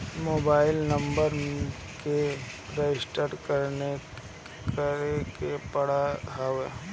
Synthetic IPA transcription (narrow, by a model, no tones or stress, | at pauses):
moːbaːɪlnɐ̃mbəɾ | ke | ɾed͡ʒɪsʈəɖkɐɾne | kəɾekepɐɽaɦawe